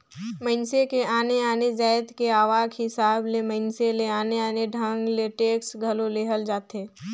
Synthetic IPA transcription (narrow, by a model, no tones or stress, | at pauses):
mə̃ɪnsekeʔaːneaːned͡ʒaːjət̪keaːʋaːɡɦɪsaːblemə̃ɪnseleaːneaːneɖʱə̃ŋɡleʈeːksɡʱɐloleːɦəld͡ʒaːt̪ẽː